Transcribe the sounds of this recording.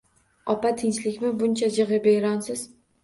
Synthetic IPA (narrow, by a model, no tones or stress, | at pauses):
ɒpat̪ʰɪnt͡ʃlɪkʲmɪbʊnt͡ʃʰad͡ʒɨʁɨbeɾɒnsɪz̥